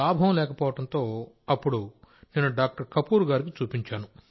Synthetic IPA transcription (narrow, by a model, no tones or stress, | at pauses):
aːbʱɐɐmlɛːkɐpɔːʋɐʈɐnt̪o̞ː | ɐpːuɽune̞ːnuɖaːk̚ʈɐɾkɐpuːɾɡaːɾik̬it͡ʃuːpiɲt͡ʃaːnu